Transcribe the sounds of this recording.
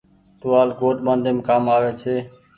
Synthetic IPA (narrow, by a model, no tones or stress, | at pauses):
t̪ʊʋaːlɡoːʈmə̃ːnd̪ʱemːkaːmaːʋeːt͡ʃʰeː